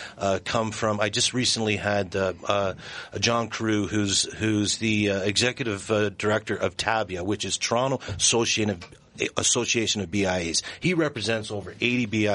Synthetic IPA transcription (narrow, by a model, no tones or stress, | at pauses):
kʰʌ̃ɱfɹʌ̃maɪd͡ʒʌst̚ɹisɨ̃n̩liɨd | d͡ʒɑ̃nkʰɹ̥ʉhʉzhʉzðiɨɡzɛkjɨɾɨvdə˞ɛk̚tə˞ʔʌv̥tʰæbjɨwɨt͡ʃɨz̥tʰɹ̥ɑ̃nl̩ˠəsoʊsieɪɾɨv | əsoʊsieɪʃɨ̃nʌvbiaɪiz̥hiɹɛpɹɨzɛ̃ntsoʊvə˞ʔeɪɾibia